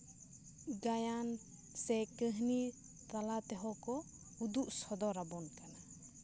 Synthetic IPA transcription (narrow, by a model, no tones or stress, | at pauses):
ɡajan | sɛkəɦni | t̪alat̪ɛɦɔkɔ | ud̪uʔsɔd̪ɔɾabɔnkana